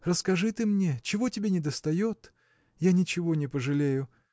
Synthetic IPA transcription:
rəskɐʐɨt̪ɨmnʲet͡ɕɪvo̞tʲɪbʲenʲɪd̪əst̪ɐjo̞t̪ | janʲɪt͡ɕɪvo̞nʲɪpəʐɨlʲejʊ

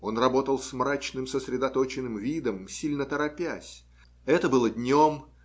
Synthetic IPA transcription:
o̞nrɐbo̞t̪əlˠsmrat͡ɕnɨmsəsɾʲɪd̪ɐt̪o̞t͡ɕɪnːɨmvʲid̪əmsʲilʲnət̪əɾɐpʲæsʲ | ɛt̪əbɨlˠədʲnʲom

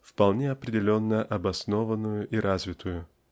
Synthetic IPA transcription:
fpɐlˠnʲeɐpɾʲɪdʲɪlʲo̞nːəʔɐbɐsno̞vənːʊjʊʔiɾʔazvʲɪt̪ʰʊjʊ

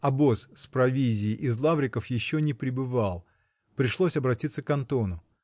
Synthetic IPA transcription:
ɐbosspɾɐvʲizʲɪːʔɪzlˠavɾʲɪkəfjɪɕːonʲɪpɾʲɪbɨvalˠ | pɾʲɪʂlˠosʲɐbɾɐtʲit̪səkɐnt̪o̞nʊ

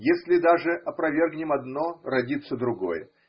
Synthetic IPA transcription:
jesʲlʲɪd̪aʐɨʔɐpɾɐvʲe̞rɡnʲɪmɐd̪no̞rɐdʲit̪səd̪ɾʊɡo̞̰jə

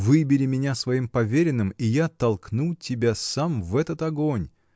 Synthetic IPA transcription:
vɨbʲɪlʲɪmʲɪnʲasvɐimpɐvʲeɾʲɪnːɨmijat̪ɐlˠknutʲɪbʲasamvɛt̪ət̪ɐɡonʲ

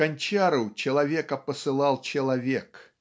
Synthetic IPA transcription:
ɐnʲt͡ɕaɾʊt͡ɕɪlˠɐvʲekəpəsɨlˠɑlˠt͡ɕɪlˠɐvʲek

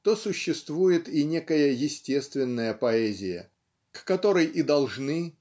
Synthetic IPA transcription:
t̪osʊɕːɪst̪vujɪt̪inʲe̞kəjəjɪsʲtʲe̞st̪vʲɪnːəjəpɐɛzʲɪjə̰ | kːɐt̪o̞ɾəjʔid̪ɐlˠʐnɨ

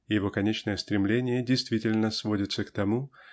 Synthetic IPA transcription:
jɪvo̞kɐnʲet͡ɕnəjəst̪ɾʲɪmlʲenʲɪjədʲɪjst̪vʲitʲɪlʲnəsvodʲɪt̪səkt̪ɐmu

